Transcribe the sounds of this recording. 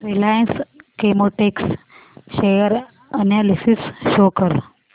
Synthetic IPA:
ɾilajənskemoʈeks | ɕejəɾ | ənjalisisɕokəɾ

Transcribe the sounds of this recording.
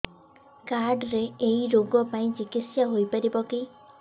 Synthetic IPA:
kaɾɖɾeeiɾoɡɔpaĩd͡ʒikisjaɦojpaɾibɔki

